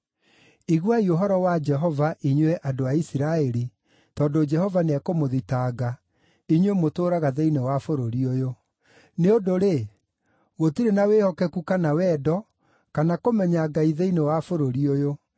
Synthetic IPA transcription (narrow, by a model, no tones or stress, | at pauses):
iɣwaioɦɔɾɔwad͡ʒɛɦɔvaʔiɲwɛʔadoaisiɾaɛɾi | tɔdod͡ʒɛhɔvaneakomoðitaːɣa | iɲwemotoːɾaɣaðeinewafoɾoɾiojo | neodoɾe | ɣotiɾenawehɔkɛkukanawɛːdɔ | kanakomɛɲaɡaiðeinewafoɾoɾiojo